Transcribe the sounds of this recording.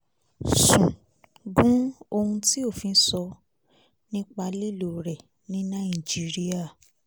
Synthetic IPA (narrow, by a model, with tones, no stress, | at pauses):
sũ˨ | ɡũ˦o˧hũ˧ti˦o˦˨fĩ˧˦sɔ˧ | nĩ˦k͡pa˧li˦˨lo˨ɾɛ˨ | nĩ˦nã˦ĩ˨d͡ʒi˦ɾi˦a˦˨